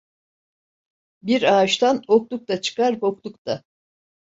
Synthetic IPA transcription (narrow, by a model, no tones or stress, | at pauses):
biɾaːʃt̪ʰanok̚t̪ˠuk̚t̪at͡ʃʰɯ̥kaɾboklˠukt̪ʰa